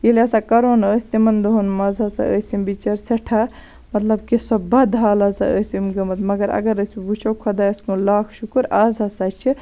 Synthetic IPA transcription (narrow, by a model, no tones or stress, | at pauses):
jilɐsakɐɾoːnəːsʲt̪imɐnd̪oɦonmɐzʱasa̰ə̰ːsimbit͡ʃɐɾsɐʈʰa | mɐt̪lɐbkisɐbbad̪ʱaːlasɐ̰ə̰ːsimɡɐmɐt̪mɐɡɐɾɐ̰ɡɐɾəsbut͡ʃʰowkʰod̪aəskõlaːkʰʃukuɾaːzasat͡ʃʰi